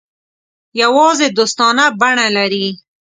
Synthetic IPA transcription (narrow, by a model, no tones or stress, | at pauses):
jawɑzed̪ost̪ɑnabaɳalaɾi